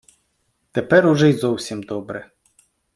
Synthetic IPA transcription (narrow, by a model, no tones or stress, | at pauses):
t̪ɛpɛɾʊʒɛjzɔwsʲimd̪ɔbɾɛ